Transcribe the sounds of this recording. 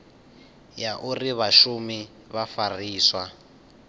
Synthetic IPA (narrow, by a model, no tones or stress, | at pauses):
jaʔuriβaʃumi | βafariːswa